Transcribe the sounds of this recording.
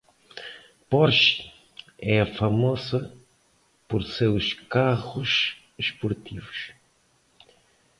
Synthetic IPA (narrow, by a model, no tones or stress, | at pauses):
pɔɾʃi̥ | ɛɐfɐmɔzɐ | poɾsewʃkaʁʊʃ | ʃpoɾt̪ivʊʃ